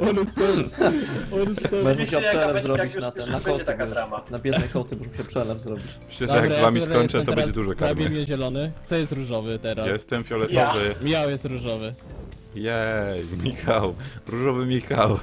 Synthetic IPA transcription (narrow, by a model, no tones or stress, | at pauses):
ɔlusɔ | ɔluɔbɔmt͡ɕawpʂɛlɛvzɾɔbbʲit͡ɕnat̪ɛakɔt̪aɡaanabʲjɛd̪ɛjkɔt̪ɘbɔʐmɕɛpʂɛlɛvzɾɔbʲit͡ɕmɘ̥ɕlɛd̪ɛjaɡbɾzɛjvamʲisɔɲʲt͡ʂɛtɛt̪ɔb̪ɛbɛɲad͡ʒɛd̪uʐɛk̪aabjɛd̪ɲɛʑɛlɔnɘt̪ɔjɛst̪ɾuʐɔvɘt̪ɛɾasjɛst̪ɛmfʲjɔlɛt̪ɔvɘmʲiawjɛst̪ɾuʐɔvɘ | jɛjmʲixawɾuʐɔvɘmʲixaw